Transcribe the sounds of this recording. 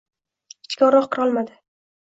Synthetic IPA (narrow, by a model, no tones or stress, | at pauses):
ɪ̥t͡ʃkʲɒɾɒqqʰːɨɾɒlˠmad̪ɪ